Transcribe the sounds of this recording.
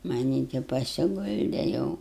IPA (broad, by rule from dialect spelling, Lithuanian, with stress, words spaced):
mɐˈnʲiː tʲɪ pɐsʲɪˈɡʊlʲdʲɛ ˈjɛʊ